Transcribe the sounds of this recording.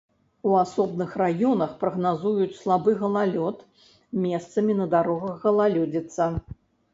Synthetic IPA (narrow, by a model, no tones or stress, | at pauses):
uasɔbnɨxrajɔnɐxpɾɐɣnazujut͡sʲslˠabɨɣɐlˠalʲɔt̪ | mʲɛst̪sɐmʲinɐd̪aɾɔɣɐɣːɐlˠalʲɔd͡zʲit̪sːɐ